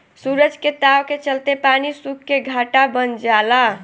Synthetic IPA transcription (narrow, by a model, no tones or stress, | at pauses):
suɾəd͡ʒket̪awket͡ʃəlt̪epanisukːeɡʱaʈabənd͡ʒala